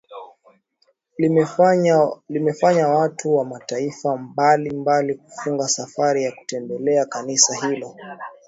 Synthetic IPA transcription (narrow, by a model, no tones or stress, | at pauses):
limɛfaɲawatuwamataifambalimbaliku̥fuŋɡasafaɾijaku̥tɛmbɛlɛakanisaɦilɔ